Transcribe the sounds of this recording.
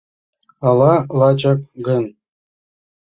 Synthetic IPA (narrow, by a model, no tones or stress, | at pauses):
ɑlˠɑlˠɑd͡ʑɑk̚ɡɤ̆n